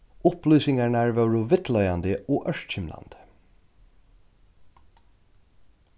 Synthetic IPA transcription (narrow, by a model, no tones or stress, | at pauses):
ʊplyːsɪŋæɳæːɹʋɑɹuʋɪt̪ʰlœʏɑnd̪əʔoːʔœʃt̪çɪmlɑ̰nd̪̥